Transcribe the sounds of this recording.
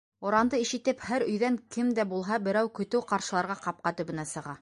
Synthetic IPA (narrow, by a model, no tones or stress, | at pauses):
ŏɾɑnd̪ɤiʃɘ̆t̪ɘphæɾɵ̆jðæŋkɘmd̪æbulˠɦɑbɘ̆ɾæwkɵ̆t̪ɘwqɑɾʃɤ̆lˠɑɾʁɑqɑp̚qɑt̪ɵ̆βɘ̆næsɤ̆ʁɑ